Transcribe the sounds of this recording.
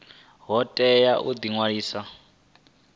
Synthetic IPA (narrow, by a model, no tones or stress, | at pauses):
ɦɔtʼɛjaʔud̪iŋwaɺiːsa